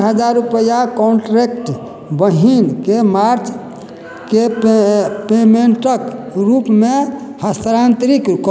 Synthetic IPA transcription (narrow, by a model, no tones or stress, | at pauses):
ɦəd͡ʒaɾupəjakɔɳʈɾekʈ | bəɦinkemaɾt͡ʃ | ke | pemeɳʈəkɾupmehəst̪əɾant̪ɾikk